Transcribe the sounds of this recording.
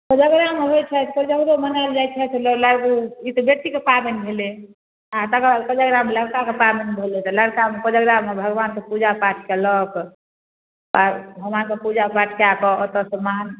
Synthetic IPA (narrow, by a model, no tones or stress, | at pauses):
kəd͡ʒəɡɾameɦojt͡ʃʰɛt̪kəd͡ʒəkɾomənald͡ʒajt͡ʃʰɛt̪ʰlɔlaɾɡuit̪ɔbjek̚t̪ikepabenibʱele | at̪əkd̪kəd͡ʒəɡɾameləɽkakepabenibʱelet̪ɔləɽkamepəd͡ʒəɡɾamebʱəɡʋankepud͡ʒapaʈʰkelək | pa̰bʱəɡʋankepud͡ʒapaʈʰkeakɔːt̪ɔsəman